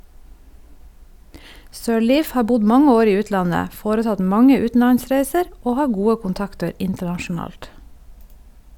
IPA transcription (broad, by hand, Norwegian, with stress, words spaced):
sœˈɭiːf ˈhɑː ˈbʊɟ ˈmɑŋə ˈoːɾ ˈiː ˈʉːtlɑnə ˈfoːɾəˌtɑt ˈmɑŋə ˈʉːtn̩lɑnˌsɾæɪsəɾ ˈoː ˈhɑː ˈɡuːə kʊnˈtɑktəɾ ˈɪntəɳɑʃʊˌnɑːlt